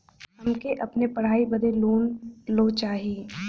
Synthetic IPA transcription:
ɦɐmkeʔɐpnepɐɽ̤aːibɐd̪ʱeloːnloːt͡ʃaːɦiː

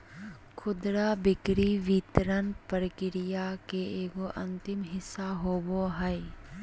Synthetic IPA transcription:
kʰʊd̪ɾabɪkɾiʋit̪ɾənpɾəkɪɾɪjakeeːɡoʔɐ̃nt̪ɪmɦɪsːaɦoːboɦəj

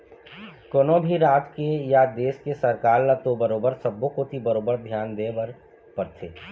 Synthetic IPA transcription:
koːnobʱiɾaːt̪kejad̪eːskesəɾkaːɾlət̪obəɾoːbəɾsəbːõkot̪ʰibəɾoːbəɾd̪ʱjaːnd̪eːbəɾ | pəɾt̪ʰeː

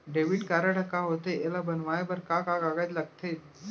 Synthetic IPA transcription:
ɖeʋiʈkaɾəɽəkːaɦot̪eʔelabənʋaebəɾkakakaɡad̪laɡ̚t̪ʰet̪

